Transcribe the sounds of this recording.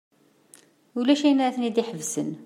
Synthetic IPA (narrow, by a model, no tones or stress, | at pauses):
ulæʃæjənɾæθnid̪iħəvsən